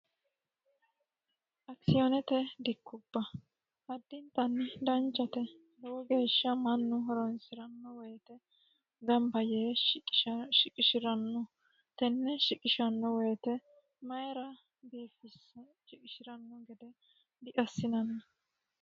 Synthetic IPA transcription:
ʔɐksɪjɔnɛt̪ɛd̪ɪkːʊbːɐ | hɐd̪ːɪnt̪ɐnːd̪ɐnt͡ʃʼːɐt̪ɛ | d̪ɛwɔɡe̞ːʃːɐmɐnːʊɦɔɾɔnsɪɾɐnːɔwɔjɛt̪ɛ | ɡɐmbɐjeː | ʃɪkʼɪʃɪɾɐnːɔ | t̪ɛnːɛʃɪkʼɪʃɐnːɔwɔjɛt̪ɛ | mɐjɾɐ | biːfɪs | ʃɪkʼɪʃɪɾɐnːɔɡɛd̪ɛ | d̪ɪʔɐsːɪnɐnːɐ

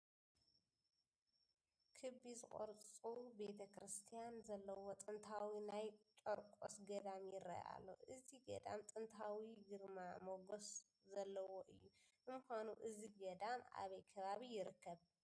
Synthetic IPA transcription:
kʰɨβizɨkʼo̰ɾt͡sʼt͡sʼube̞t̪ʰɐkɾɨst̪ʰijanzɐlːɐwot̪ʼɨnt̪ʰawinajt͡ʃʼoɾkʼo̰sɡɐd̪amjɪrːɐ̰ja̰lːo̞̰ʔɨziɡɐ̰d̪a̰mt̪ʼɨnt̪ʰawiɡɨɾmamoɡos | zɐlːɐwoʔɨjːu | ɨmɨxʷanuʔɨziɡɐd̪ama̰βɐjkʰɐβaβijɪɾɨkːɐβ

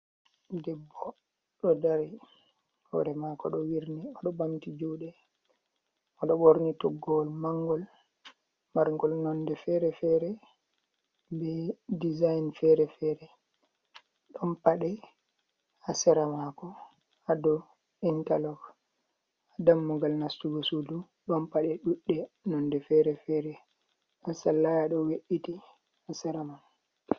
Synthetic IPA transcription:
dɛbːɔ | ɗɔdaɾi | hɔ̰ɾɛmakɔɗɔwiɾniɔɗɔbamtid͡ʒuːɗɛ | ɔɗɔboɾnitɔɡːɔlmaŋɡɔl | maɾŋɡɔlnɔndɛfɛɾɛfɛɾɛ | bɛdizajnfɛɾɛfɛɾɛ | ɗɔnpaɗɛ | asɛɾamakɔ | adɔ | intalɔɡ | adamːuɡalnastuɡɔsudu | ɗɔnpaɗɛɗuɗːɛnɔndɛfɛɾɛfɛɾɛ | ɗansalːajaɗɔweɗiti | asɛɾaman

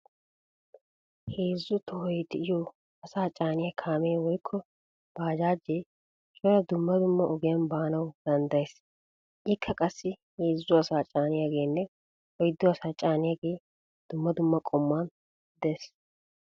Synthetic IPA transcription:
heːzːʊt̪ʰɔhɔjd̪ɪɪjoː | ɐsaːt͡ʃʼaːnɪjɐkʰaːmeːwɔjkʰːɔ | b̥aːd͡ʒaːd͡ʒːe | t͡ʃʼɔɾɐd̪ʊmːɐd̪ʊmːɐʔɔɡɪjɐnbaːnɐwd̪̥ɐnd̪ɐjes | ʔɪkʰːɐkʼɐsːɪheːzːʊɐsaːt͡ʃʼaːnɪjaɡe̞ːnːɛ | ɔjɪd̪ːʊɐsaːt͡ʃʼaːnɪjaɡe̞ː | d̪̥ʊmːɐd̪ʊmːɐkʼɔmːaːn | d̪eːs

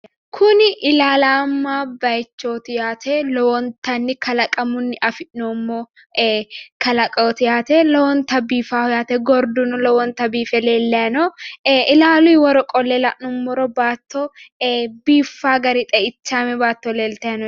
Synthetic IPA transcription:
kʰʊnɪʔɪlaːlaːmːaːbɐjt͡ʃːoːt̪ɪjaːt̪ʰeːlɔwɔnt̪ɐnːɪkɐlɐkʼɐmʊnːɪʔɐfɪʔnoːmːoː | kɐlɐkʼɐt̪ɪjaːt̪elɔwɔnt̪ɐbiːfaːhɔjaːt̪ɛɡɔɾd̪ʊnɔlɔwɔnt̪ɐbiːfɛleːlːɐjɐnɔʔɪlaːlʊjwɔɾɔkʼɔlːɛlɐʔnʊmːɔɾɔbaːt̪ːo | biːfːaːɡɐɾɪt̪ʼɛɪt͡ʃːaːmɛbaːt̪ːoleːlt̪ɐjɐnɔ

